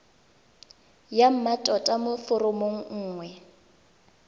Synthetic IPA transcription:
jam̩matʼɔtʼamʊfʊrʊmoŋ̩ŋ̩ːŋwɛ

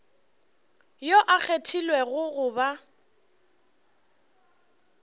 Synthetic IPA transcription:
joʔak͡xʰetʰilwɛɣʊɣʊba

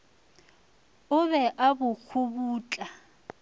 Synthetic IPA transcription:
ʊβɛʔabʊk͡xʰʊbuːt͡ɬʼa

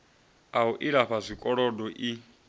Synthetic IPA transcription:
auʔiɺaɸazʷikʼɔɺɔdɔʔi

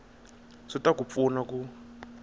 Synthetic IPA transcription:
sɔtakup̪funaku

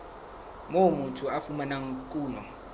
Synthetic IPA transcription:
momutʰuafumanaŋkʼuːnɔ

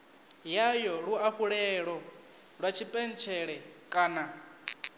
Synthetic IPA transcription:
jajɔɺuaɸuɺɛɺɔ | ɺwat͡ʃʰipʼɛn̩t͡ʃʰɛɺɛkʼaːna

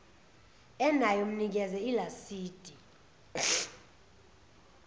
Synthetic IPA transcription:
ɛnajɔm̩nik̬ɛzɛilasiːd̥ʼʱi

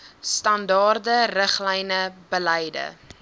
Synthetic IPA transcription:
stɐndɑːrdərəχlɛjnəbəlɛjdə̰

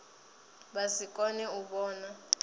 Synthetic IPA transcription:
ɓasikʼɔnɛuɓɔːna

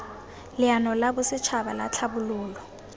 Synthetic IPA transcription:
lɪanɔlabʊsɪt͡ʃʰabala̰t͡ɬʰabʊluːlɔ

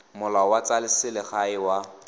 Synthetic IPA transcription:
mʊlawat͡salɪsɪlɪχaɪwa

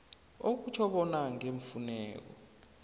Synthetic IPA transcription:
ok̬ut͡ʃʰɔɓɔnaŋeɱ̩funɛ̰ːk̬ɔ̰

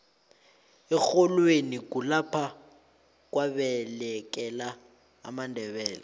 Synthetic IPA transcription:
ɛxɔlwenik̬ulapʰa | k̬waɓɛlɛk̬ʼɛla̰ː | mandʱɛɓɛːla

